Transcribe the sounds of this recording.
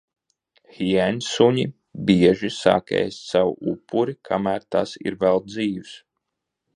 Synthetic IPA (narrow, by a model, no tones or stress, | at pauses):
xiæɲʲsuɲi | bʲiɛʒisa̰ːkʲɛ̰ːjst̪sawupʰːuɾikʰamæːɾt̪asḭɾvɛlˠd̪ziːws